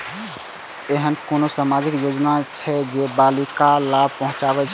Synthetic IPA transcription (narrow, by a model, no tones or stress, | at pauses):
eɦənkoːnosaːmaːd͡ʒɪkjoːd͡ʒnat͡ʃʰɛd͡ʒebaːlikalaːb̚pəɦʊ̃t͡ʃaːbɛt͡ʃʰ